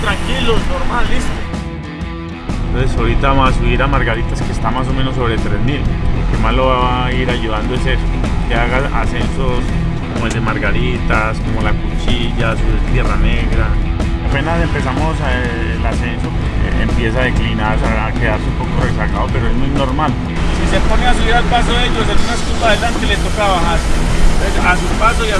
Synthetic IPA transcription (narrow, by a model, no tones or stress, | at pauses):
t̪ɾaŋkilonoɾmalist̪o | nt̪onsesaɾit̪aβasuβiɾamaɾɡaɾit̪aske̞ːst̪amas̬o̞me̞no̞s̬ːo̞βɾe̞t̪ɾezmiloke̞mazlo̞βaaiɾaʝuðand̪oeses | ke̞aɣaa̰se̞nsos | komoeld̪emaɾɡaɾit̪asko̞mo̞lakut͡ʃiʝasoet̪je̞rane̞ɣɾaape̞nase̞mpe̞samo̞s | lase̞nso̰ | ḛmpje̞saðeklinaðsaake̞ðaɾseumpo̞ko̞resaɣaðope̞ɾoezmujno̞ɾmal | sise̞po̞ne̞as̬aliɾalpasoðeeʝos̬esunaeskupaðelant̪elet̪okaβahaɾt̪sasupasoia